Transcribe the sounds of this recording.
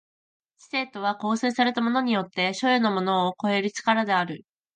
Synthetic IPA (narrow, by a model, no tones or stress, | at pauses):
t͡ɕi̥se̞ːt̪o̞β̞ako̞ːse̞ːsaɾe̞t̪amo̞no̞ɲ̟ijo̞t̪ːe̞ɕo̞jonomo̞no̞ːko̞e̞ɾɯ̟t͡ɕi̥kaɾad̪e̞aɾɯ̟